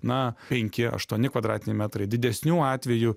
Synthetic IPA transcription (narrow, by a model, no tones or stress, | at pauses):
nɐpʲɛŋʲkʲɪɐ̰ʃt̪uɔnʲɪkʋɐd̪ɾɑːt̪ʲɪnʲɛɪmʲæːt̪ɾɐɪd̪ʲɪd̪ʲɛsʲnʲuːɑːt̪ʲʋʲɛjuː